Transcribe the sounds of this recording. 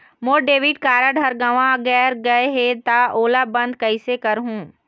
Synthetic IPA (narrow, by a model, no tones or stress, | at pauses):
moːɖeːʋɪʈ̚kaːɾaɖʱɐɾɡaʋãɡɛːɾɡɐeɦet̪aoːlabɐ̃nd̪̚kɐɪsekɐɾɦũː